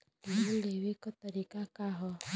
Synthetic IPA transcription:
leɦulewikɔt̪ɔɾikakaɦɔ

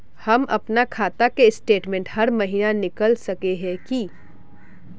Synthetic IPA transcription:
hɐmɐ̰pnakʰaːt̪akesʈeːʈmẽːɳʈhɐɾmɐɦiːnanɪkəlsɐkeɦɛ̃ki

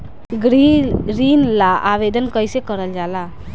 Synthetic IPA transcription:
ɡɾiɾiːnlaʔaʋed̪ənkəjsekəɾəld͡ʒaːla

